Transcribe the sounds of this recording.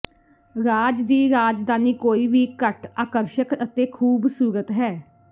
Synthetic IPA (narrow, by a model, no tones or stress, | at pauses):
ɾaːd͡ʒd̪iːɾaːd͡ʒd̪aːniːkoːiːʋiːkəʈaːkəɾʃəkət̪eːkʰuːbsuːɾət̪ɦɛː